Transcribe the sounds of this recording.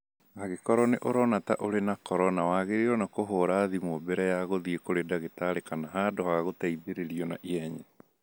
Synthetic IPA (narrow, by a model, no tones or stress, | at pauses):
aɣekɔɾɔneʔoɾɔnataʔoɾenakɔɾɔnawaɣeɾeɾɔnakoɦoɾaðimobɛɾɛjaɣoðiekoɾedaɣetaɾekanaɦadohaɣotaiðeɾeɾiɔnaʔiɛɲɛ